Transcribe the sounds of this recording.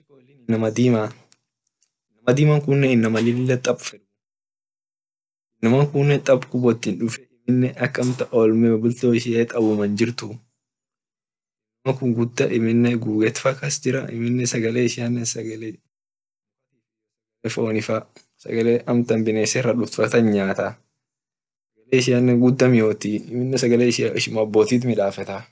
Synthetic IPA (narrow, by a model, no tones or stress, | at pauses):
kolːɪnɪnːɐmɐd̪iːma | ɪnːɐmɐd̪iːmɐŋkʊnːɛɪnːɐmɐlɪlːɐt̪ʼɐbfɛɾm | ɪnːɐmɐŋkʊnːɛt̪ʼɐbkʊbɔt̪ːɪnᶑʊfɛɪmɪnːɛʔɐkːɐmt̪ɐʔɔlmɛbʊlt̪oːɪʃɪeːt̪ʼɐbʊmɐnd͡ʒɪɾt̪ʊ | nmɐŋkʊŋɡʊd̪ːɐʔɪmɪnːɛɡuːɡɛt̪fɐkːɐsd͡ʒɪɾɐ̰ʔɪ̰mɪnːɛsɐɡɐleːɪʃɪɐnːɛsɐɡɐle | ɐt̪i | sɐɡlefoːnɪfɐ | sɐ̰ɡɐleːʔɐmt̪ɐmbɪneːsɛrːɐᶑʊft̪fɐt̪ɐnɲaːt̪ɐ | ssɐɡɐleːɪʃɪjanːɛɡʊd̪ːɐmɪjo̞ːt̪iɪmɪnːɛsɐɡɐleːɪʃʔɪʃɪmːbːoːt̪iːt̪mɪᶑaːfɛt̪ɐ